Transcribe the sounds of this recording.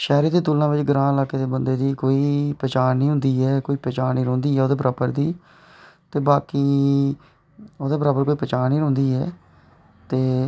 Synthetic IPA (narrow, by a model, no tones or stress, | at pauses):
ʃɛːɾeːd̪eːt̪ʊlːãːʋɪt͡ʃɡɾãːɪlaːkeːd̪eːbənd̪eːd̪iːkoːiːpɛːt͡ʃaːɾnĩːɦʊ̃nd̪iːɛːkoːiːpɛːt͡ʃaːɾniːɾõːnd̪iːɦɛːoːd̪eːpɾaːpəɾd̪iː | t̪eːbaːkiː | oːd̪eːpəɾaːpəɾkoːiːpɛːt͡ʃaːniːɾʊ̃nd̪iːɦɛː | t̪eː